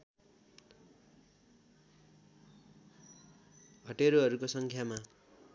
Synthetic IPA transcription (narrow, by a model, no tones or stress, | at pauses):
ɦʌʈeɾuɦʌɾukosʌŋkʰjama